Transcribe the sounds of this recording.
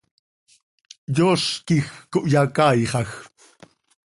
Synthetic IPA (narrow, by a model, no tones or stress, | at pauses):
joskɪxkʊʔjakɑjχɑx